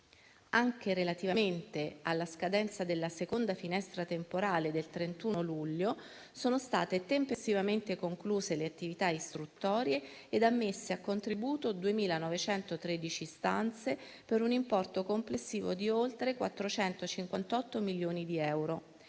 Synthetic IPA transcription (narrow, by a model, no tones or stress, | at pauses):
aŋk̟eɾelat̪ivament̪ealːaskad̪ɛnt̪sad̪elːasekond̪afinɛst̪ɾat̪empoɾaːled̪elt̪ɾent̪uːnoluʎːo | soːnost̪a̰ːt̪et̪empest̪ivament̪ekoŋkluːzeleat̪ːivit̪aist̪ɾut̪ːɔːɾjeː | d̪amːesːeakːont̪ɾibuːt̪od̪uemiːlanɔvet͡ʃɛnt̪ot̪ɾed̪it͡ʃist̪a̰nt̪se | peɾunimpɔrt̪okomplesːiːvod̪iolt̪ɾekwa̰t̪ːɾot͡ʃɛnt̪ot͡ʃiŋkwant̪ɔt̪ːomiljoːnid̪iɛwɾo